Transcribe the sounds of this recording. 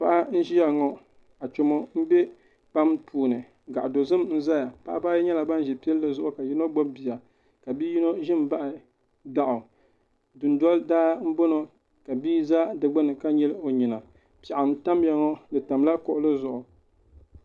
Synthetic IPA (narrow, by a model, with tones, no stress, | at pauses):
pa˦ʔa˦n̩˦ʒi˦ja˨ŋɔ˦ | a˨t͡ʃo˨mo˦m̩˦bɛ˦ | pa˦mpuː˨nɨ˨ | ɡa˨ʔa˨do˨zɨ˦mn̩˦za˦ja˨pa˦ʔa˦ba˦jɲɛ˦la˨ba˦n˦ʒɛ˨pi˦ɛ˦lːɨ˦zʊ˨ʔʊ˨ka˨ji˦no˦ɡ͡bo˦bbi˨ja˨ | ka˨bi˦ji˦no˦ʒɪ˦m˦ba˦ʔɪ˨ | da˨ʔʊ˨ | dɨ˨n˨dɔ˦ldaː˦m̩˦bo˦no˨ | ka˨biː˦za˦dɨ˨ɡ͡ba˦nɨ˨ka˦ɲɛ˦lo˨ɲi˨na˨ | pɛ˨ʔa˨m˦ta˦mja˨ŋɔ˦nɨ˨ta˨mla˦kɔ˨ʔʊ˦lɨ˦zʊ˨ʔʊ˨